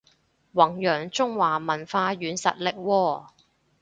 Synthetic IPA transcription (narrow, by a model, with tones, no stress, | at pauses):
wɐ˨˩ŋjœː˨˩ŋt͡sʊ˥ŋwaː˨˩mɐ˨˩nfaː˧ɥyː˨˧nsɐ̰˨t̚lɪ˨k̚wɔː˧